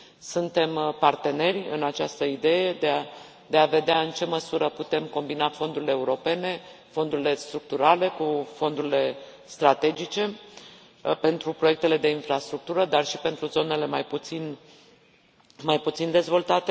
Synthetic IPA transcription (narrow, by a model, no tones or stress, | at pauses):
sunt̪e̞mpart̪e̞ne̞rʲɨ̰nat͡ʃast̪əid̪e̞je̞d̪e | d̪e̞ave̞d̪eaɨnt͡ʃe̞məsuɾəput̪e̞mko̞mbinafo̞nd̪uɾileːuɾo̞pe̞ne̞ | fo̞nd̪uɾile̞st̪ɾuk̚t̪uɾale̞kufo̞nd̪uɾile̞ | st̪ɾat̪e̞d͡ʒit͡ʃe̞ | pe̞nt̪ɾupɾojek̚t̪e̞le̞d̪e̞infɾast̪ɾuk̚t̪uɾəd̪arʃipe̞nt̪ɾuzo̞ne̞le̞majput̪sin | majput̪sind̪e̞zvo̞lt̪at̪e